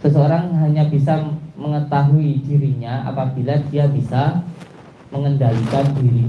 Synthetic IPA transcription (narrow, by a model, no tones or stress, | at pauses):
səsəoɾaŋɦaɲabisaməŋət̪aɦuid̥iɾiɲaa̰pab̥ilad̥iabisa | məŋəndalikandiɾi